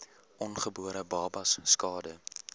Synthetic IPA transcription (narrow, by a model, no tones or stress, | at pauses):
ʔɔnχəbuəɾəbɑːbɐsːkɑːdə